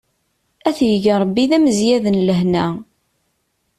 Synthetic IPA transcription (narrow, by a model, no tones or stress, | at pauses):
æθjəʝəɾˤbːiðæməzjæðənləɦnæ